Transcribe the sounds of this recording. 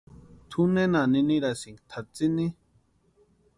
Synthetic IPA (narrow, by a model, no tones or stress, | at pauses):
t̪ʰunẽnanĩnĩɾasiŋɡt̪ʰat͡sini